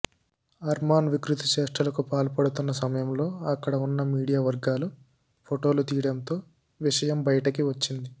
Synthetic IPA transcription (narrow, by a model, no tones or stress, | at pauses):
ɐɾmaːnʋikɾit̪ɐʃɛːʂʈɾɐlɐkupaːlpɐɽut̪unːɐsɐmɐjɐmlo̞ːɐkːɐɽɐunːɐmiːɽijaːʋɐɾɡaːlu | pʰoʈo̞ːlut̪iːɽɐnt̪o̞ː | ʋiʂɐjɐmbɐjɐʈɐkiʋɐt͡ʃːind̪i